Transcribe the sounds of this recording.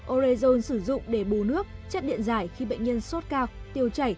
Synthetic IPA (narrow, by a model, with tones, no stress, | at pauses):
ʔo˧zi˧zo˧nsɨ˧˩zʊ̰˧˨ŋ͡mɗe˧˩ɓu˨˩nɨ˦˥ək̚t͡ɕə˦˥t̚ɗḭ˧˨ənzaː˧˩jxi˧ɓə̰˧˨jŋ̟ɲə˧ənso˦˥t̚kaː˧wt̪i˧əwt͡ɕa˧˩j